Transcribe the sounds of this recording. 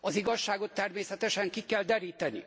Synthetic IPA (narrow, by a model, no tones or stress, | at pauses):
ɒziɡɒʃːaːɡo̞t̪ːɛrmeːsɛt̪ɛʃɛŋkikɛld̪ɛɾiːt̪ɛnḭ